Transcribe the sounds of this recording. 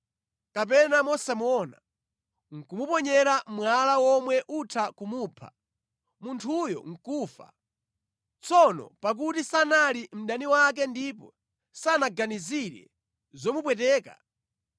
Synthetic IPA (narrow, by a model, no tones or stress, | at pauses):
kap̬ɛnamɔsɛmuɔna | ŋ̩kumupɔɲɛɾamwalawɔmwɛʔutʰakumuːpʰa̰ | muntʰujɔ̰ŋ̩kuːfa̰ | t͡sɔnɔ̰pak̬utisanalim̩ɗaniwak̬ɛndip̬ɔ | sanaɡaniziɾɛ̰ | zɔmupwɛtɛːka̰